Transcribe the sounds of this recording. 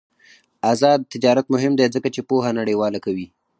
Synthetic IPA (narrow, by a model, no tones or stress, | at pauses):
azɑd̪̚t̪ɪd͡ʒɑɾat̪mʊɦɪmd̪ezəkat͡ʃepoɦanaɽewɑlakawi